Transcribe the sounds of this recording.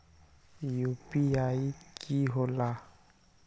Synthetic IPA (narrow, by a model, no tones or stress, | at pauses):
jopijaikʰiɦola